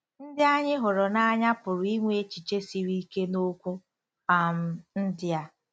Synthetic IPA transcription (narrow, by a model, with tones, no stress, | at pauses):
n̩˦dɪ˦a˦ɲɪ˦ɦʊ˨ɾʊ˨na˦ɲa˦pʊ˨ɾʊ˨i˦ŋʷe˦e˦t͡ʃi˨t͡ʃe˦si˨ɾi˦ke˦no˦kʷu˦ | a˨m̩˦n̩˦dɪ˦a˦